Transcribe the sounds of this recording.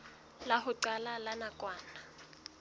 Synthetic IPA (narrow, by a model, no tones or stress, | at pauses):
laɦʊǀalalanakʼwaːna